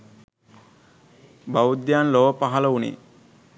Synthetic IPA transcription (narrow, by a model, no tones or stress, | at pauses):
baud̪jaːnloːʋəpaɦɐləunḭ